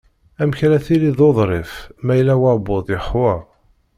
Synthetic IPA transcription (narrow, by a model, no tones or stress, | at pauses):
æmçælæθiliðˤoðˤɾˤɪfmæjlːæwɑɾboðˤjəħwæ